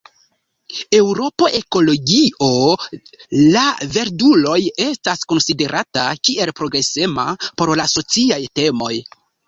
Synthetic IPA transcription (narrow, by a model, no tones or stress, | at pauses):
e̞wɾo̞po̞ʔe̞ko̞lo̞ɡio̞ | lave̞ɾdulo̞je̞stasko̞nside̞ɾʔatakiʔe̞lpɾo̞ɡɾe̞se̞ma̰po̞ɾlaso̞t͡siajte̞mo̞j